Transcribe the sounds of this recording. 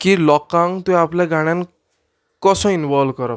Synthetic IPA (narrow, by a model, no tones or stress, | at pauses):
kilʌkːaŋt̪joapʰlajɡaɽ̃jan | kʌsʌ̃inbʌlkʌɾʌ